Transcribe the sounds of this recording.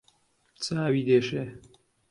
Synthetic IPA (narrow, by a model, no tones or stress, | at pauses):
t͡saːwiːd̪eːʃeː